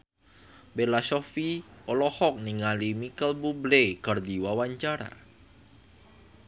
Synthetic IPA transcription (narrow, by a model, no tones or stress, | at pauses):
bɛlasɔfiɔlɔhɔk̚niŋalimikəlbublekərdiwawaɲt͡ʃaɾa̰